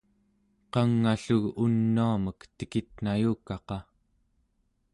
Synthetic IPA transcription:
qɑŋːaɬuɣunːuaməkt̪ə̥kit̪̚najuːkɑqɑ

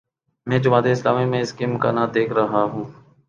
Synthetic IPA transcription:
mɛ̃ːd͡ʒʊmaːt̪eɪsla̰ːmimẽɪskimʊka̰ːnad̪eːkʰɾɐɦaɦũː

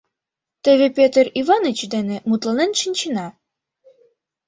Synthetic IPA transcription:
t̪ĕβepʲet̪ərivɑnet͡ɕd̪enĕmut̪lˠɑnenʃinʲt͡ɕinɑ

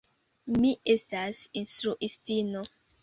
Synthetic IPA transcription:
miʔestasinstɾuʔistino

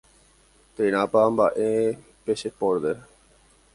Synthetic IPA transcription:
t̪eɾ̃ãpambaʔe | peʃepoɾd̪e

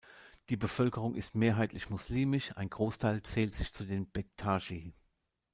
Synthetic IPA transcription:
d̥iːbəfœlkəʁ̞ʊŋʔɪstmeːɐɦaɪtlɪçmʊsliːmɪʃa̰ɪnɡʁoːstʰaɪlt͡sɛːltz̥ɪçt͡sudeːnb̥ɛk̚tʰaːʒiː

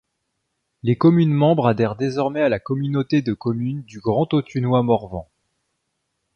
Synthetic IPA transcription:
lekɔmynmɑ̃bʁad̪ɛʁd̪ezɔʁmɛalakɔmynot̪ed̪əkɔmynd̪yɡʁɑ̃t̪ot̪ʰynwamɔʁvɑ̃

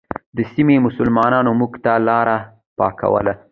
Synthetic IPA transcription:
d̪əsimemʊsʊlmɑnɑnomuɡt̪alɑɾa | pɑ̰ka̰wə̰la

